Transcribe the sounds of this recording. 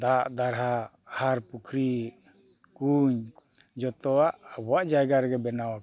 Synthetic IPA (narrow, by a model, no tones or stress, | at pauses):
d̪aʔd̪aɾɦa | haɾpukʰɾi | kuɲ | d͡ʒɔt̪ɔwaʔːbɔwaʔd͡ʒajɡaɾɛɡɛbɛnawa